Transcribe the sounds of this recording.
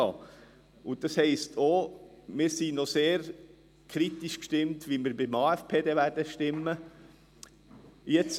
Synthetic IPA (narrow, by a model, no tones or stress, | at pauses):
ɑ | ʊd̥ɑshɛɪstʰomɪːɾsinoseːɾ | kʰɾit̪iʃkʃtɪmtʋimɪːɾbɪmɑːɛfpʰeːdeʋæɾdəʃtɪmːə | jɛt͡s